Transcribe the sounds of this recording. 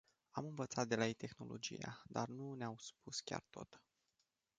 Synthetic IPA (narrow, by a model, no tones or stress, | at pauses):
amɨnvət̪sat̪̚d̪e̞lait̪e̞xno̞lo̞̰d͡ʒḭjad̪arnuneamspuskʲa̰rt̪o̞̰t̪